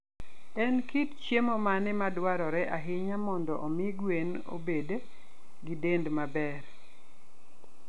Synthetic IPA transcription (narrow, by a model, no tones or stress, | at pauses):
ɛnkitt͡ʃemɔmanɛmadwaɾɔɾɛʔaɦɪɲamɔndɔʔɔmɪɡwen | o̰bede | ɡɪdendmabɛr